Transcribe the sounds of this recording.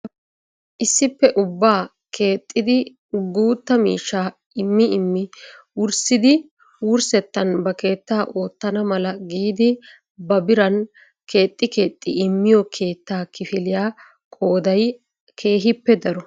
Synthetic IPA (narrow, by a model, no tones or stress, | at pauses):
ʔɪsːɪpːɛʔʊbːaː | kʰeːt̪ʼːɪd̪ɪ | ɡuːt̪ːɐmḭːʃːaː | ɪmːɪɪmːɪ | wʊɾsɪd̪ɪ | wʊɾsɛt̪ːɐnbɐke̞ːt̪ːaːʔo̞ːt̪ːɐnɐmɐlɐɡiːd̪ɪ | bɐbɪɾɐn | kʰe̞ːt̪ʼːɪke̞ːt̪ʼːɪɪmːɪjɔkʰe̞ːt̪ːaːkɪfɪlɪjaː | kʼo̞ːd̪ɐj | kʰe̞ːɦɪpːɛd̪ɐɾɔ